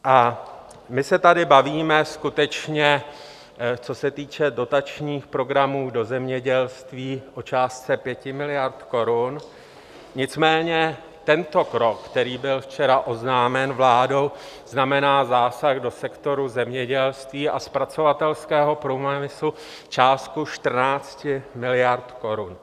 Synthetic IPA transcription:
ʔa | mɪsɛt̪adɪbaviːmɛskut̪ɛt͡ʃɲɛ | t͡so̞sɛt̪iːt͡ʃɛdo̞t̪at͡ʃɲiːxpɾo̞ɡɾamuːdo̞zɛmɲɛɟɛlst̪viːʔot͡ʃaːstt͡sɛpjɛcɪmɪlɪjaɾt̪ko̞ɾun | ɲɪt͡smɛːɲɛ | t̪ɛnt̪o̞kɾo̞kːt̪ɛɾiːbɪlft͡ʃɛɾaʔo̞znaːmɛnvlaːdo̞wznamɛnaːzaːsaɣdo̞sɛkt̪o̞ɾuzɛmɲɛɟɛlst̪viːʔaspɾat͡so̞vat̪ɛlskɛːɦo̞pɾommɪslu | t͡ʃaːst̪̚kuʃt̪r̩naːt͡scɪmɪlɪjaɾt̪ko̞ɾun

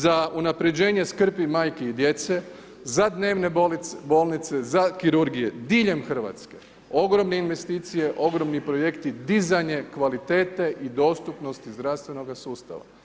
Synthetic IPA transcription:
zaunapɾe̞d͡ʑe̞ːɲe̞skr̩pimaːjkeid̪je̞t̪se̞ | zad̪ne̞ːʋne̞bo̞ːlˠnit̪se̞zakiɾuɾɡije̞d̪iːʎe̞mxr̩ʋa̰t̪ske̞ | o̞ɡɾo̞mne̞inʋe̞st̪iːt̪sije̞ʔo̞ɡɾo̞mnipɾo̞je̞kt̪id̪izajɲe̞kʋalit̪eːt̪e̞ʔid̪o̞ːst̪upno̞st̪izd̪ɾaʋst̪ʋe̞no̞ɡasuːst̪a̰ʋa̰

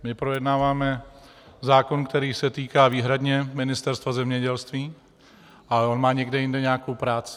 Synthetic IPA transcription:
mɪpɾojɛdnaːvaːmɛ | zaːko̞nkt̪ɛɾiːsɛt̪iːkaːviːɦɾadɲɛmɪnɪst̪ɛɾst̪vazɛmɲɛɟɛlst̪viː | ʔaonmaːɲɛɡdɛjɪndɛɲaːkowpɾaːt͡sɪ̥

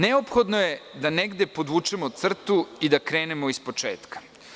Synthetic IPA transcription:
neopxo̞d̪no̞je̞d̪aneɡd̪e̞po̞d̪uːt͡ʃemot̪sr̩t̪uid̪akɾe̞ːnemoispo̞t͡ʃeːt̪kḁ

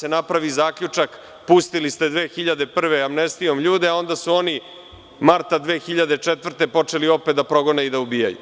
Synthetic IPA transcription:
senapɾaʋizaːkʎʲut͡ʂak | pust̪ilist̪e̞d̪ʋeːxiʎad̪e̞pr̩ʋe̞amnest̪io̞mʎuːd̪eao̞nd̪asuo̞ni | maɾt̪ad̪ʋe̞ːxiʎad̪et͡ʂet̪vr̩t̪e̞po̞t͡ʂe̞lio̞pet̪d̪apɾo̞ɡo̞neid̪aubijajṵ

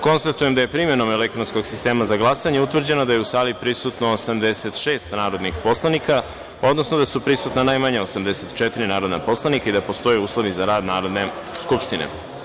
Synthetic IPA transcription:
ko̞nst̪at̪uje̞md̪aje̞pɾime̞no̞melekt̪ɾonsko̞ɡ̥sist̪e̞ːmazaɡlˠasaɲeut̪ʋvr̩d͡ʑe̞nod̪ajeusaːlipɾisut̪no̞ːsamd̪eset̪ʃe̞ːst̪naːɾo̞d̪nixpo̞slˠanika | o̞d̪no̞snod̪asupɾisut̪nanajmaɲaosamd̪eset̪t͡ʃɛt̪iɾinaːɾod̪na̰po̞slˠanikaid̪apost̪o̞jeuːslˠo̞ʋizaɾaːd̪naːɾo̞d̪ne̞ | skupʂʃt̪inḛ

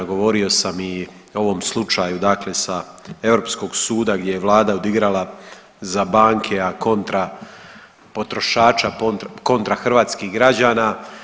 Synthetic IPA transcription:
ɡo̞ʋo̞ɾio̞sami | o̞ʋo̞mslˠut͡ʃajud̪akle̞sae̞vɾo̞ːpsko̞ɡsuːd̪aɡdʲje̞jeʋlˠaːd̪aod̪iɡɾalˠa | zabaːŋkʰe̞ako̞nt̪ɾa | po̞t̪ɾo̞ʃaːt͡ʃapoko̞nt̪ɾaxr̩ʋaːt̪skiɦɡɾad͡ʑaːnaː

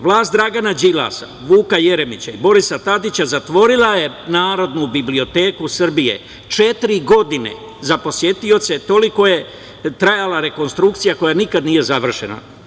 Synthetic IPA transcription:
ʋlˠaːst̪d̪ɾaɡanad͡ʒila̰sa̰ʋuːkaje̞ɾe̞mit͡ɕaibo̞ɾisat̪ad̪it͡ɕazat̪ʋo̞ɾilˠaje̞ | naːɾo̞d̪nubiblio̞t̪e̞ːkusr̩bije̞̰ | t͡ʃe̞t̪ɾiɡo̞d̪ine̞̰ | zapo̞sje̞t̪io̞t̪se̞t̪o̞liko̞je̞ | t̪ɾajalaɾe̞ko̞nst̪ɾukt̪sijako̞janikad̪nije̞zaʋr̩ʃena̰

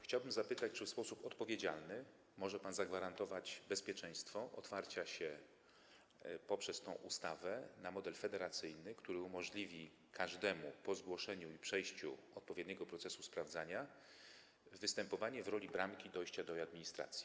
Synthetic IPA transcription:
xt͡ɕawbɘmzapɘt̪at͡ɕt͡ʂɘfspɔsupɔt̪pɔvʲjed͡ʑalnɘ | mɔʐɛpanzaɡvaɾant̪ɔvad͡ʑbɛspʲjɛt͡ʂɛ̃j̃st̪fɔʔɔt̪faɾt͡ɕaɕɛ | pɔpʂɛst̪ɔ̃w̃ʔust̪avɛnamɔd̪ɛlfɛd̪ɛɾat̪sɘjnɘkt̪uɾɘumɔʐlʲivʲi | kʰaʐd̪ɛmupɔzɡwɔʂɛɲuipʂɛjɕt͡ɕṵɔt̪̚pɔvjed̪ɲɛɡɔpɾɔt̪sɛsuspɾavd̪zaɲa | vɘst̪ɛmpɔvaɲɛvɾɔlʲibɾamkʲid̪ɔjɕt͡ɕad̪ɔad̪mʲiɲist̪ɾa̰t̪sʲji

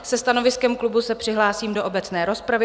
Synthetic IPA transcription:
sɛst̪ano̞vɪskɛmklubusɛpr̥ɪɦlaːsiːmdo̞ʔobɛt͡snɛːɾo̞spɾavɪ

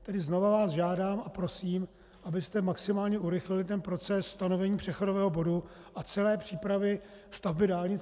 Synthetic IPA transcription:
t̪ɛdɪznovavaːsʒaːdaːmʔapɾo̞siːm | ʔabɪst̪ɛmaksɪmaːlɲɛʔuɾɪxlɪlɪt̪ɛnpɾo̞t͡sɛsːt̪ano̞vɛɲiːpr̥ɛxo̞dovɛːɦobo̞du | ʔat͡sɛlɛːpr̥iːpɾavɪ | st̪avbɪdaːlɲɪt͡s

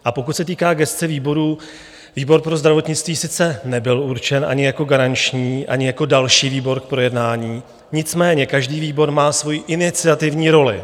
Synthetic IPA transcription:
ʔapo̞kut̪sɛt̪iːkaːɡɛst̪t͡sɛviːbo̞ɾuː | viːbo̞ɾpɾozd̪ɾavo̞t̪ɲɪt͡st̪viːsɪt͡sɛnɛbɪluɾt͡ʃɛnʔa̰ɲɪjako̞ɡaɾant͡ʃɲiːʔa̰ɲɪjako̞dalʃiːviːbo̞ɾk̚pɾojɛdnaːɲiː | ɲɪt͡smɛːɲɛkaʒdiːviːbo̞ɾmaːsvo̞jiːʔɪnɪt͡sɪat̪ɪvɲiːɾo̞lɪ̰

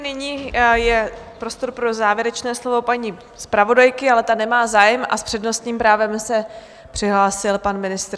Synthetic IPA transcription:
nɪɲiːjɛpɾo̞st̪o̞ɾpɾo̞zaːvjɛɾɛt͡ʃnɛːslo̞vo̞paɲi | spɾavo̞dajkɪalɛt̪anɛmaːzaːjɛmʔa̰spr̥ɛdno̞st̪ɲiːmpɾaːvɛmsɛ | pr̥ɪɦlaːsɪlpanmɪnɪst̪ɾ

